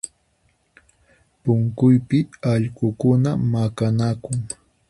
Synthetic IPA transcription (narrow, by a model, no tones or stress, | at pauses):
pʊŋkʊjpɪaʎɢʊkʊnamakanakʊŋ